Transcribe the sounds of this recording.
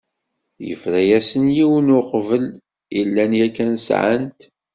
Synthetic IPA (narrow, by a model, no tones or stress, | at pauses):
jə̰fɾæjæsənjiwənʊqvəl | ilːænjækːænsʕə̰nt̪